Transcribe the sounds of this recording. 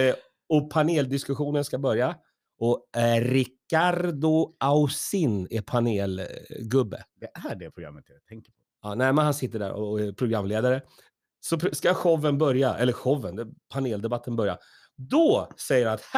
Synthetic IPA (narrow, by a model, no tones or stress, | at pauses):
ɔpʰaneːld̪ɪskɵɧuːnənskabœɾja | ʔɔɾɪkːaɾd̪ʊʔaʊsɪnɛpʰaneːlɡɵbːə̰d̪ɛæɖɛpʰɾʊɡɾa̰mːət̪at̪ʰɛŋkəpʰɔ | ɑːnɛɪmɛnhansɪt̪ːəɖæ̰ɾɔ̰ɛpʰɾʊɡɾamːleːd̪aɾə | sɔpskaɧɔvːənbœɾjaʔɛlːəɾɧɔvːənd̪ɛpʰaneːld̪ɛbat̪ʰːənbœɾja̰ | d̪ɔsɛjəɾhanat̪h